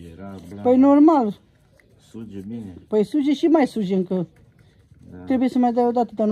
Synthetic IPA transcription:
pojnoɾmal | pojsuʒeʃimajsuʒeŋkə | t̪ɾebujesəmajd̪əod̪at̪əd̪an

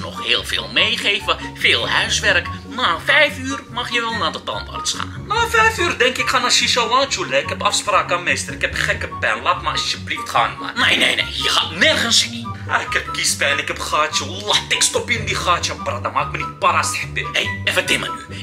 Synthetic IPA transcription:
nɔ̰χheːlˠfḛːlˠmejχejvəfeːlˠhœɥsʋɛrkmafɛjfyːrmɑχjəʋɛlˠnadətɑ̰nba̰rtsχa̰ːnnafɛjfyːrdɛŋkɪkχaːnaʃiʃalaːt͡ʃulɛɪkhɛpɑfspraːkamestərɪkhɛpχɛkəpɛnlaːtmaɑsjəbliftχa̰ːnma̰nejnḛjnḛjhixa̰tnɛrχənsia̰ɪkhɛpkispɛnɪkɛpχaːtt͡ʃulatɪkstɔpindiχaːtjəprat̚damakmənit̚parasttɪhejɛfədɪmə̰ny

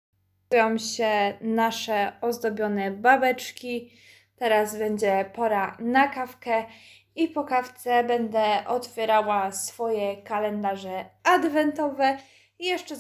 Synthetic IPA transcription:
jɔ̃w̃ɕɛnaʂɛɔzd̪ɔbʲjɔnɛbabɛt͡ʂkʲi | t̪ɛɾazbɛɲd͡ʑɛpɔɾanakafkɛ | ipɔkaft̪sɛbɛnd̪ɛʔɔt̪fʲjɛɾawasfɔjɛkalɛnd̪aʐɛad̪vɛnt̪ɔvɛ | jɛʂt͡ʂɛ

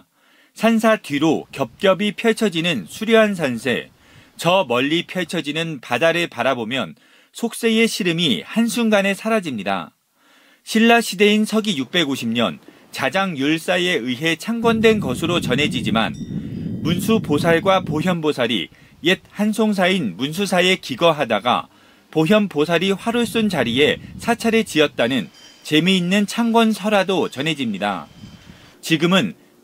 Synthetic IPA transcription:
sʰans̬ʰatɥiɾokjʌp̚k͈jʌbipʰjʌt͡ɕʰʌd͡ʑinɯnsʰuɾjʌɦans̬ʰansʰe̞̰ | t͡ɕʌmʌʎːipʰjʌt͡ɕʰʌd͡ʑinɯnpadaɾɯɭpaɾabomjʌn | sʰok̚s͈e̞e̞ɕʰiɾɯmihansʰuŋɡane̞sʰaɾad͡ʑimɲida̰ | ɕʰiɭːaɕʰide̞insʰʌɡijuk̚p͈e̞ɡoɕʰimɲʌ̰n | t͡ɕad͡ʑaŋjoɭs͈aje̞ɯɦe̞t͡ɕʰaŋɡwʌndwe̞nɡʌsʰɯɾot͡ɕʌnɦe̞d͡ʑid͡ʑima̰nmunsʰuposʰaɭɡwapoɦjʌnbosʰaɾḭ | jet̚hansʰoŋs̬ʰainmuns̬ʰusʰae̞kiɡʌɦadaɡa̰ | poɦjʌmposʰaɾiɸwaɾuɭs͈unt͡ɕaɾie̞sʰat͡ɕʰaɾet͡ɕiʌt̚t͈anɯnt͡ɕe̞miːnːɯnt͡ɕʰaŋɡwʌnsʰʌɾadot͡ɕʌnɦe̞d͡ʑimɲida̰ | t͡ɕiɡɯmɯn

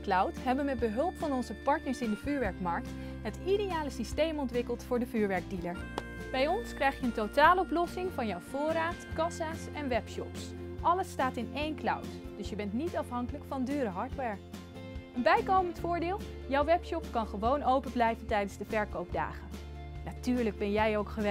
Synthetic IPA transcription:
klɑwtɦɛbənmɛd̚bəɦɵlˠpfɑnɔnzəpɑɹtnəɹsɪndəvyːɹʋɛɹkmɑɹk̚t | ɦətidejaːləsistejmɔntʋɪkəlˠtfʊːɹdəvyːɹʋɛɹɡ̚diləɹ | b̥ɛjɔnskrɛjχjəəntotaːləɔplɔsɪŋvɑnjɔwv̥ʊːɾaːtkɑsaːsɛnʋɛpʃɔ̰psʔɑləstaːtɪnejnkla̰wtd̥ɵsjəbɛntnitɑfɦɑŋkələkfɑndyːɾəɦɑɹtʋɛɹ | ənbɛjkowməntfʊːɹdɪːlˠ | jɔwʋɛpʃɔpkɑnχəʋownowpəblɛjvəntɛjdənzdəvɛɹkowpda̰ːχən | natyːɹləɡ̚bɛnjɛjowkχəʋɛ

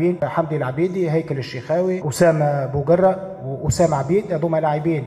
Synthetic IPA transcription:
iːnħamd̪ilʕabiːd̪iɦæjkælɪʃːixæːwiʔosæːmæbʊɡɑrˤːɑ | wʔosæːmʕabiːd̪jɑd̪ˤuːmælaʕibiːn

